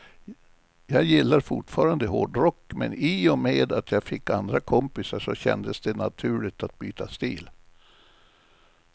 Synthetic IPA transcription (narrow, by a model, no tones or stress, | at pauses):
jɑːɡjɪlːaɾfʊʈfɑːɾand̪əɦo̰ːɖɾɔkːmɛ̰niːɔmeːd̪at̪ʰjɑːɡfɪkːand̪ɾakʰɔmpɪsaʂɔɕɛ̰nd̪əsd̪ɛna̰t̪ʰʉ̟ːɭɪt̪at̪̚byːt̪ʰast̪iːl